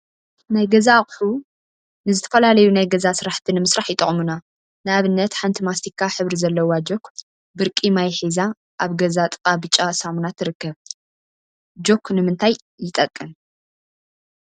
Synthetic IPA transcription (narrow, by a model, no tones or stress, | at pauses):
najɡɐzaχʼħu | nɨzɨt̪ʰɐ̥fɐlalɐjunajɡɐzasɨɾaħt̪ʰinɨmɨsɾaħjɪt̪ʼɨχʼmuna | nɨaβɨnːɐt̪ħant̪ʰimast̪ʰikʰːaħɨβɾizɐlːɐwad͡ʒo̞kʰ | bɨɾkʼimajħiza | ʔaβɡɐzat̪ʼɨkʼabɨt͡ʃʼasamunat̪ːɨɾɨkːɐβ | d͡ʒo̞kʰnɨmɨnt̪ʰajːɪt̪ʼɐkʼːɨm